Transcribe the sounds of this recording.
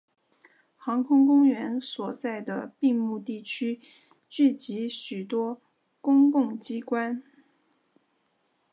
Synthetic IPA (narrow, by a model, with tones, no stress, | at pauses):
xɑ˧˥ŋkʰʊ˥ŋkʊ˥ŋɥɛ˧˥nswɔ˨˩t͡sa˥˩ɪd̪ə˩pi˥˧ŋmu˥˧t̪i˥˩t͡ɕʰy˥ | t͡ɕy˥˩t͡ɕi˧˥ɕy˨˩t̪wɔ˥ | kʊ˥ŋkʊ˥˩ŋt͡ɕi˥kwa˥n